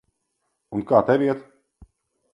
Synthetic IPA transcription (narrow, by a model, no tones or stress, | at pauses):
unkaːt̪ɛviɛt̪